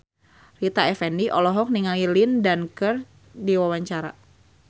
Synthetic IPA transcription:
rit̪aɛfɛndiʔɔlɔɦɔk̚niŋailindankər | diwawaɲt͡ʃaɾa̰

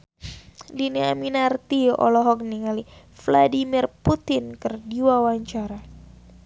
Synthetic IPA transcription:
dineaminart̪iɔ̰lɔɦɔk̚niŋali | fladimirput̪ɪnkɨrdiwawaɲt͡ʃaɾa

